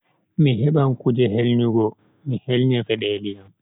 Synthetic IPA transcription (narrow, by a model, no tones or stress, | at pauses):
miɦɛɓamkud͡ʒɛɦelɲiɡɔ | mihelɲɛfɛɗɛːliam